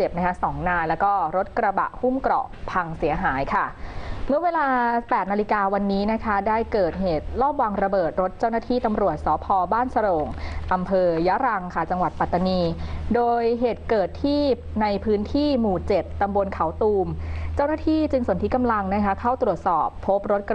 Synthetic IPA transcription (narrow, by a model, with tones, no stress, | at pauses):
se˨˩p̚na˦˥kʰa˦˥sɔː˩˦ŋnaː˧jlɛ˦˥wkɔː˥˩ɾo˦˥t̪̚kɾa˧ba̰˨˩ʔhu˥˩mkɾɔ̰˨˩ʔpʰa˧ŋsi˨˩˦ɐɦaː˩˦jkʰa˥˩mɯ˥˩ɐweː˧laː˧pɛː˨˩t̪̚na˧li˧kaː˧wa˧nːiː˦˥na˦˥kʰa˦˥daː˥˩jkɤː˨˩t̪̚ɦeː˨˩t̪̚lɔː˥˩p̚wa˧ŋɾa˧bɤː˨˩t̪̚ɾo˦˥t̪̚t͡ɕaː˥˩wnaː˥˩t̪ʰiː˥˩t̪a˧mɾu˨˩ət̪̚sɔː˩˦pʰɔː˧baː˥˩nsa˧ɾo˨˩ŋʔa˧mpʰɤː˧ja˦˥ɾa˧ŋkʰa˥˩t͡ɕa˧ŋwa˨˩t̪̚pa˨˩t̪ːa˧niː˧doː˧jɦeː˨˩t̪̚kɤː˨˩t̪ʰːiː˥˩p̚na˧jpʰɯː˦˥nt̪ʰiː˥˩muː˨˩t͡ɕe˨˩t̪ːa˧mbo˧nkʰa˨˩˦wt̪uː˧mt͡ɕaː˥˩wnaː˥t̪ʰiː˥˩t͡ɕɯ˧ŋso˩˦nt̪i˦˥ka˧mla˧ŋna˦˥kʰa˦˥kʰa˥˩wt̪ɾu˨˩ət̪̚sɔ̰ː˨˩pʰːo˦˥p̚ɾo˦˥t̪̚k